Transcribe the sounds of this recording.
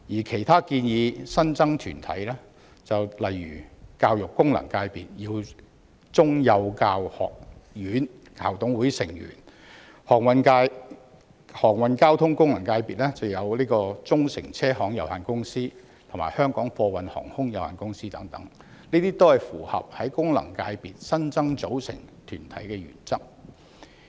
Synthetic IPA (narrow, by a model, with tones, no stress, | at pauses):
jiː˨˩kʰe˨˩jt̪ʰaː˥kiː˧njiː˨˧sɐ˥nt͡sɐ˥ŋt̪ʰyː˨˩nt̪ʰɐ̰˨˥jlɛː˥ | t͡sɐ˨wlɐ˨jɥyː˨˩kaː˧wjʊ˨kːʊ˥ŋlɐ̰˨˩ŋkaː˧jpiː˨t̚jiː˧w | t͡sʊ˥ŋjɐ˨˧wkaː˧whɔ̰ː˨k̚jyː˨˥n | kʰa̰ː˨˩wt̪ʊ˨˥ŋwuː˨˥jsɪ˨˩ŋjy̰ː˨˩n | hɔː˨˩ŋwɐ˨˧nkaː˧j | hɔː˨˩ŋwɐ˨˧nkaː˥wt̪ʰʊ˥ŋkʊ˥ŋlɐ˨˩ŋkaː˧jpiː˨t̚lɛː˥t͡sɐ˨wjɐ˨˧wliː˥kɔː˧t͡sʊ˥ŋsɪ˨˩ŋt͡sʰɛː˥ɦɔː˨˥ŋjɐ˨whaː˨˩nkʊ˥ŋsiː˥ | t̪ʰʊ˨˩maː˨˩jhœː˥ŋkɔː˨˥ŋfɔː˧wɐ˨nhɔ̰ː˨˩ŋhʊ˥ŋjɐ˨˩wha̰ː˨˩nkʊ˥ŋsiː˥t̪ɐ˨˥ŋt̪ɐ˨˥ŋ | niː˥t̪iː˥t̪o˥whɐ˨˩jfuː˨˩hɐ̰˨p̚hɐ˨˥jkʊ˥ŋlɐ̰˨˩ŋkaː˧jpiː˨t̚sɐ˥nt͡sɐ˥ŋt͡so˨˥wsɪ̰˨˩ŋt̪ʰyː˨˩nt̪ʰɐ˨˥jkɛː˧ɥy̰ː˨˩nt͡sɐ˥k̚